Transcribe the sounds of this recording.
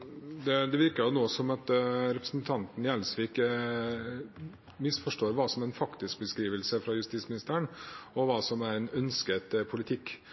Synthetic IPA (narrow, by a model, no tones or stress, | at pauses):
d̪ɛd̪ɛʋɪɾkəjʊnoːsɔmɑt̪ɾɛpɾəsn̩t̪ʰɑnt̪njælsʋɪɪkːə | mɪsfɔʂʈoːɾʋɑːsɔmæɾɛnfɑkt̪ɪsk̚bəskɾiːʋəlsəfɾɑjʉst̪iːsmɪnɪst̪əɾəɳɔʋɑːsɔmæɾɛnœnskət̪pʰʊlɪt̪ʰɪkː